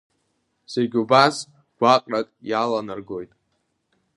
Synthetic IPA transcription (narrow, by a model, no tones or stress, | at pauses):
z̥e̞ɡʲubas | ɡ̥ʷaqʼrakʼjalanɨrɡo̞jtʼ